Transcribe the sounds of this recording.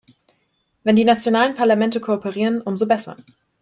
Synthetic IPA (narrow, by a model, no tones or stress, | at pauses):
vɛndiːnat͡sjonaːlənpʰaɐlamɛntəkʰoopʰəʁiːʁənʔʊmzobɛsɐ̰